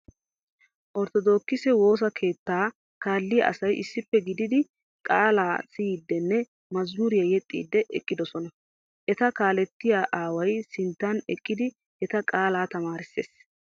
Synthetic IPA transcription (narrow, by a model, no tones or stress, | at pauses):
ʔɔɾt̪ɔd̪o̞ːkːɪsɛwo̞ːs̬ɐkʰe̞ːt̪ːaː | kaːlːɪjɐ̰ʔɐ̰sɐjʔɪsːɪpːɛɡɪd̪ɪd̪ɪ | kʼaːlaːsɪːd̪ːɛnːɛ | mɐzmʊɾɪjɐjɛt̪ʼːḭːd̪ːɛʔɛ̰kʼːɪd̪ɔsɔnɐ | ʔɛt̪ɐkaːlɛt̪ːɪjaːʔaːwɐjsɪnt̪ːɐnɛkʼːɪd̪ɪ | ʔɛt̪ɐkʼaːlaːt̪ɐmaːɾɪsːḛːs